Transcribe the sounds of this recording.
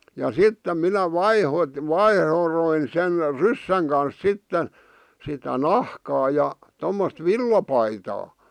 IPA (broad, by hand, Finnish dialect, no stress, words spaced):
jɑ sitːem minæ ʋɑiho ʋɑihroin sen rysːæŋ kɑns sitːe sitæ nɑhkɑː jɑ tomːost ʋilːɑpɑitɑː